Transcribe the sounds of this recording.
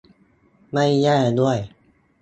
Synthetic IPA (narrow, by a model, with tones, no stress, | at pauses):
ma˥˩jːɛː˥˩du˥˩əj